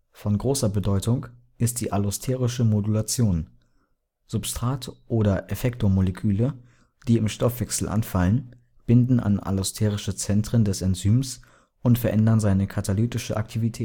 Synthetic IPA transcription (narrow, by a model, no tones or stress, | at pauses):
fɔnɡʁoːsɐbədɔʏtʊŋ | ʔɪst̚d̥iːʔalʊstʰɛːʁɪʃəmodulat͡sjoːn | z̥ʊpstʁ̥aːtʔoːɾɐʔefɛktomolekʰyːlə | d̥iːɪmʃtɔfv̥ɛksl̩ʔa̰nfalən | b̥ɪndn̩a̰na̰lʊstʰɛːʁɪʃət͡sɛntʁ̥əndɛsɛnt͡syːms | ʊntfɛɐʔɛndɐnzaɪnəkʰatʰalyːtɪʃəʔa̰ktʰivitʰɛːt